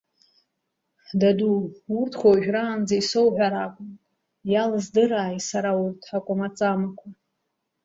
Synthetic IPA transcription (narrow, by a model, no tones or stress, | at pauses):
daduurtʰχʷaʒᶣraːnd͡zajsowʕʷaɾakʷʼʊmʼ | jalɨzdɨɾaːjsaɾaurtʰʼħakʷʼʊmat͡sʼamakʷʰa